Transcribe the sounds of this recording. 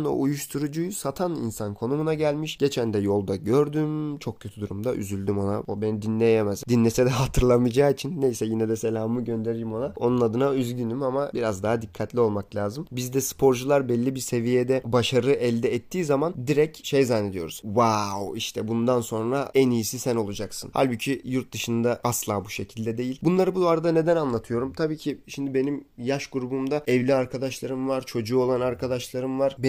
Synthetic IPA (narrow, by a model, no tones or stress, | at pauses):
no̞̰ʔujuʃt̪ʰuɾud͡ʒujsat̪ʰanḭnsankʰo̞numunaɟælʲmiʃɟ̥e̞t͡ʃʰænd̪ɛjo̞lˠd̪aɟøɾd̪ymt͡ʃʰo̞k̚cʰø̞t̪ʰyd̪uɾumd̪aʔy̰zylʲd̪ymo̞na̰obenid̪inlʲejemɛzd̪inːʲesɛd̪ɛɦat̪ʰɯɾlˠamɯd͡ʒaːit͡ʃʰinːejsɛjinɛd̪ɛse̞lʲaːmɯɟø̞nd̪eɾijimo̞nao̞nunad̪ɯnayzɟynimamabiɾazd̪aɦad̪ikʰːat̪lʲio̞lˠmaklʲaːzɯmbizd̪ɛsɯ̥pʰo̞ɾd͡ʒulˠaɾbɛlʲːibiɾse̞vijed̪ɛbaʃaɾɯʔɛlʲd̪ɛːt̪ʰːiːzamand̪iɾɛcʃejzanːe̞d̪ijo̞̰ɾuz̥vawiʃt̪ʰɛbund̪anso̞nɾaɛnijisisæno̞lˠud͡ʒaksɯ̰nha̰lʲbucʰijuɾt̪̚d̪ɯʃɯnd̪aaslˠaːbuʃe̞cʰilʲd̪ɛd̪e̞jilʲbunlˠaɾɯbud̪oaɾd̪ane̞d̪ænanlˠat̪ʰɯjo̞ɾumt̪ʰabiːcʰiʃimd̪ibe̞nimjaʃɡuɾubumd̪aɛvlʲiaɾkʰad̪aʃlˠaɾɯmvaɾt͡ʃʰo̞d͡ʒuːo̞lˠanaɾkʰad̪aʃlˠaɾɯmvaɾ̥be